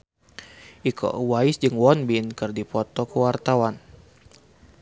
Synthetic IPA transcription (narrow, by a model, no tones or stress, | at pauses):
ʔikʰɔ̰ʔwaisd͡ʒɨŋwɔnbinkɨrdipɔt̪ɔkəwart̪awan